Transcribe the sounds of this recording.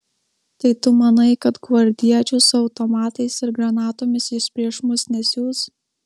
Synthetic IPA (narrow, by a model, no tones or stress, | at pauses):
t̪ɐɪt̪ʊmɐnɐɪkɐt̪ɡʋɐɾʲd̪ʲiɛt͡ʃʲʊsʊɐʊt̪omɑːt̪ɐɪsɪɾɡɾɐnɑːt̪oːmʲɪsɪʃpʲɾʲiɛʃmʊsnʲɛsʲuːs